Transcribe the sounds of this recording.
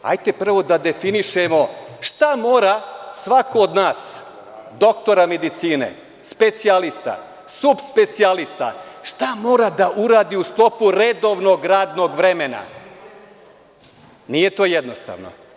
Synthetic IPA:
a̰jt̪e̞pr̩ʋo̞d̪ad̪e̞finiʃemo̞ʃt̪amo̞ːɾasʋakoːd̪naːs | d̪o̞kt̪o̞ɾame̞d̪it̪siːne̞̰ | spe̞t̪sialist̪a̰ | subspe̞t̪sialist̪a̰ʃt̪amo̞ːɾad̪aʔuɾaːd̪iust̪lˠo̞puɾed̪o̞ʋno̞ɡɾaːd̪no̞ɡʋɾe̞me̞na̰ | nije̞t̪o̞ːjed̪nost̪a̰ːʋno̞̰

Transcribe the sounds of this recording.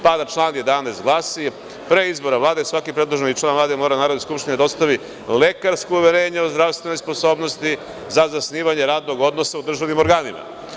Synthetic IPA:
paːd̪at͡ʃlˠaːnje̞d̪anast̪ɡlˠasi | pɾeizbo̞ɾaʋlˠaːd̪esʋakipɾed̪lˠoʒenit͡ʃlaːnvlˠaːd̪emo̞ːɾanaːɾod̪eskupʃt̪ined̪ao̞st̪aʋi | le̞kaɾskouʋeɾe̞ːɲeozd̪ɾast̪ʋe̞no̞jsposo̞ːbno̞st̪i | zazasniːʋaɲe̞ɾaːd̪no̞ɡo̞d̪nosaud̪ɾr̩ʒaʋnimo̞ɾɡaːnima̰

